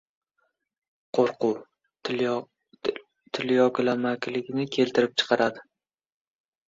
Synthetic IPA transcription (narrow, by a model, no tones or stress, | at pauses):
qʰoɾqʰʊw | t̪ʰɪljɒɡʲɪlamakʲlɪɡʲnɪkʲʰe̞lt̪ʰɪɾɪp̚t͡ʃʰɨ̥qʰɑɾad̪ɪ